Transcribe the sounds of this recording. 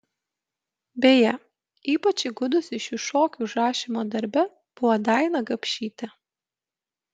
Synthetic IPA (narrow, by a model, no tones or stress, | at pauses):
bʲeːjɛ | iːpɐt͡ʃʲɪɡʊd̪ʊsɪʃʲɪʃoːkʲuːˑʒɑːʃʲɪmoːd̪ɐɾʲbʲɛ | b̥ʊʋɐd̪ɑˑɪnɐɡɐpʲʃʲiːt̪ʲɛ